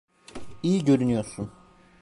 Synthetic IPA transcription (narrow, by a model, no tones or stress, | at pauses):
ijiɟø̞ɾynyjo̞ɾsun